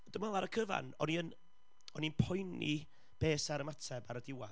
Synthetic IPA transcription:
d̥əmɛlˠaɾəkʰəva̰nɔniən | ɔninpʰɔjnḭ | b̥eːsaɾəmatʰɛbaɾədɪwa

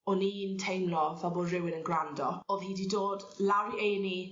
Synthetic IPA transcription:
ɔniːntʰejmlɔvɛlˠboːdrɪwɪnənɡrandɔoðhiːdidoːdlawiejni

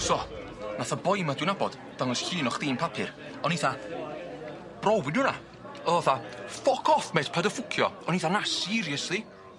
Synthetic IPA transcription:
sɔ | naθabɔjmadwɪnabɔd̥ | d̥aŋɔsɬiːnɔχð̥iːnpʰapʰɪr | ɔniθa | b̥rɔwbɪnuna | ɔɔθafɔkʰɔθmɛd̥pʰadəfʊkʰjɔɔniθanasiɾjəsði

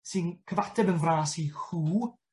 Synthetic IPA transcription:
sɨnkʰəvatʰɛbənvraːsihuː

